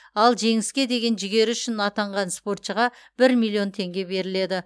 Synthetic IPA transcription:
ɑlˠʒe̞ŋɪskʲe̞d̪e̞ɡʲe̞nʒɪɡʲe̞ɾɪʏʃɪnɑt̪ɑɴʁɑnspo̞rt̪ʃəʁɑ | b̥ɪɾmʲilʲːˠio̞nt̪ʰe̞ŋɡʲe̞be̞ɾɪle̞d̪ɪ

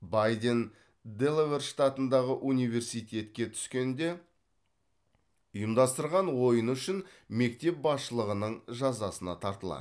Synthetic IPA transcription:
bɑjd̪e̞n | d̪elˠeverʃt̪at̪ənd̪ɑʁəʔunijve̞ɾsijt̪ʲe̞t̪kʲe̞t̪ʰʏ̥skʲe̞nd̪e̞ | ʊjəmd̪ɑst̪əɾʁɑnwo̞jənʏʃɪn | me̞k̚t̪e̞p̚bɑsʃəlˠəʁənəɴʒɑzɑsənɑ̰t̪ʰɑɾt̪əlˠɑ̰

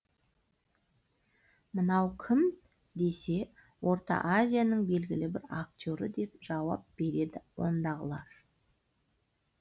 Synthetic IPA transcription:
mənɑwkʲʰɪm | d̪e̞se̞ | wo̞ɾt̪ɑ̰ʔazʲijanəɴbe̞lɡʲɪlɪbɪɾakt̪ʲo̞ɾəd̪e̞pʒ̥ɑwɑp̚b̥e̞ɾe̞d̪ɪwo̞̰nd̪ɑʁəlˠɑɾ

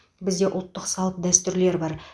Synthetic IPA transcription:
bɪzd̪e̞ʔʊlˠt̪ːəqsɑlˠəp̚d̪æst̪ʏɾle̞ɾbɑɾ

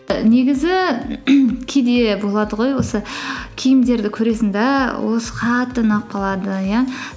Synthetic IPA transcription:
ne̞ɡʲɪzɪ | kʲʰed̪e̞bo̞lˠɑd̪əʁo̞jwo̞səkʲʰijɪmd̪e̞ɾd̪ɪkʲʰɵɾe̞sɪnd̪ɑwo̞sə̥qʰɑt̪ːənɑq̚qʰːɑlˠɑd̪əja

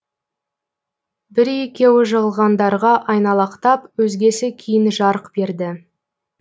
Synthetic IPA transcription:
bɪɾe̞kʲe̞wɪʒəʁəlˠʁɑnd̪ɑɾʁɑʔɑjnɑlˠɑqt̪ɑpwɵzɡʲe̞sɪkʲʰijɪnʒɑɾəqbe̞ɾd̪ɪ

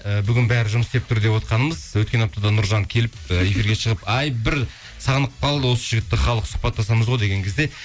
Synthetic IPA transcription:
əbʏɡʲɪnbæɾɪʒʊməsd̪e̞p̚t̪ʰʊɾd̪e̞pwo̞t̪qɑnəməzwɵt̪̚kʲe̞nap̚t̪ʰɑd̪ɑnʊɾʒɑŋkʲʰe̞lɪp̚əe̞fiɾɡʲe̞ʃəʁəpɑjbɪɾ | sɑʁnəq̚pʰɑlˠd̪əwo̞səʒɪɡʲɪt̪ːɪχɑlˠəqsʊ̥χpɑt̪ːɑsɑməzʁojd̪e̞ɡʲe̞ŋkʰʲe̞zd̪e̞

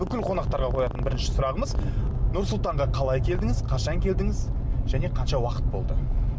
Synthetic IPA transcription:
bʏkʲɪlqʰo̞nɑq̚t̪ɑɾʁɑqʰo̞jɑt̪ənbɪɾɪnʃɪ̥sʊɾɑʁəməznʊɾsʊlˠt̪ɑɴʁɑqʰɑlˠɑjkʲʰe̞ld̪ɪŋɪzqʰɑʃɑŋkʲʰe̞ld̪ɪŋɪzʒ̥æne̞qʰɑnʃɑwɑqə̥t̪̚bo̞lˠd̪ə

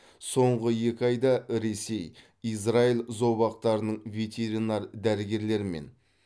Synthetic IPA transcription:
so̞ɴʁəje̞kʲɪɑjd̪ɑɾe̞se̞j | is̬railzo̞bɑqt̪ɑɾənəɴvʲe̞t̪ʲʰe̞ɾinɑɾd̪æɾɪɡʲe̞ɾle̞ɾɪmḛn

